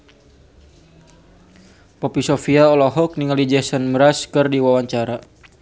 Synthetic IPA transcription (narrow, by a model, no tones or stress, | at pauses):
pɔpisɔfiaɔlɔɦɔk̚niŋalid͡ʒɛsənmɾaskɨrdiwawaɲt͡ʃaɾa